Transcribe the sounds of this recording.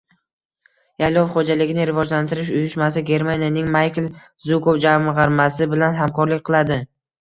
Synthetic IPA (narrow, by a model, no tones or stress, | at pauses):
jajlɒwχod͡ʒalɪɡʲɪnɪɾɪvɒd͡ʒlant̪ʰɪɾɪʃ̬ʊjʊʃmasɪɡʲe̞ɾmanʲijanɪŋmajkʲl | zʊkowd͡ʒavmɪʁɑɾmasɪbɪlanɦamkɒɾlɪk̚ʲqʰɨlˠad̪ɪ